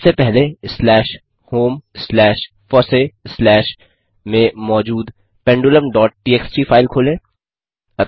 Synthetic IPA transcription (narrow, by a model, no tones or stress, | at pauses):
sepɛɦleslɛːʃ | hoːmslɛːʃ | fɔːɾseslɛːʃ | mẽmɔːd͡ʒuːd̪ | pɛ̃ɳɖoləmɖɔːʈ̚ʈiːeːksʈifʰaːɪlkʰoːlẽː | ɐ